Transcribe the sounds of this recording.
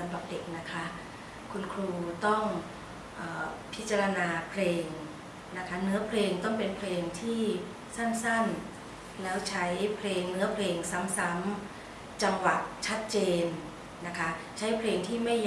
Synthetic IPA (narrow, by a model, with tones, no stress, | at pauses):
a˨˦mɾa˨˩p̚de˨˩k̚na˦˥kʰa˦˥ʔ | kʰu˧nkʰɾuː˧t̪ɔ˥˩ŋ | ʔɤː˨˩pʰi˦˥t̪̚t͡ɕa˧ɾa˧naː˧pʰleː˧ŋ | na˦˥kʰa˦˥nɯ˦˥ɐpʰleː˧ŋt̪ɔ˥˩ŋpe˧npʰleː˧ŋt̪ʰiː˥˩ | sa˥˩nsa˥˩n | lɛː˦˥wt͡ɕʰa˦˥jpʰleː˧ŋnɯ˦˥ɐpʰleː˧ŋsa˩˦˥msa˦˥m | t͡ɕa˧ŋwa˨˩t̪t͡ɕʰa˦˥t̪̚t͡ɕeː˧nː | a˦˥kʰa˦˥ | t͡ɕʰa˦˥jpʰleː˧ŋt̪ʰiː˥˩ma˥˩j